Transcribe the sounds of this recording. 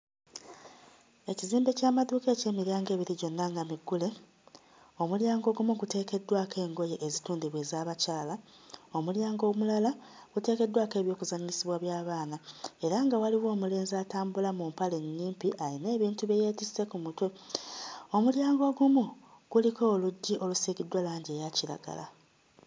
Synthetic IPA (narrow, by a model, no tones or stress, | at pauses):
e̞ciziːmbe̞caːmaðuːke̞ːce̞ːmiɾaːŋɡe̞ːβiɾiɟo̞nːaŋɡamiɡːule̞ | o̞muljaːŋɡo̞ɡumuɡute̞ːke̞dːwaːkʰe̞ːŋɡo̞je̞ʔːzituːndiβwe̞ːzaːβacaːla | o̞muljaːŋɡo̞ːmulalaɡ̥ute̞ːke̞dːwaːke̞ːβjo̞ːkuzaɲisiβwaβjaːβaːnae̞ɾaŋɡawaliwo̞ːmule̞ːnzataːmbulamumpale̞nːiːmpiʔaine̞ːβiːntuβeje̞ːtise̞kumutwe | o̞muljaːŋɡo̞ɡumu | ɡ̥uliko̞ːluɟːiʔo̞lusiːɡidːwalaːɲɟe̞ːjaciɾa̰ɡa̰la̰